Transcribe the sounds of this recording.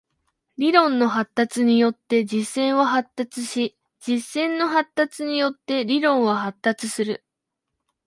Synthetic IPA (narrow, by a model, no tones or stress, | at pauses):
ɾʲiɾõ̞nːo̞ɦat̪ːat͡sɨɲ̟ijo̞t̪ːe̞d͡ʑisːẽ̞ɰ̃βaɦat̪ːat͡sɨɕi | d͡ʑisːẽ̞nːo̞ɦat̪ːat͡sɨɲ̟ijo̞t̪ːe̞ɾʲiɾõ̞ɰ̃βaɦat̪ːat͡sɨsɨɾɯ̟